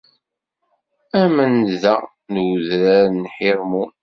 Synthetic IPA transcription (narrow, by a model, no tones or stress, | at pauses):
æmənðæ | nwðɾæɾnħɪɾmun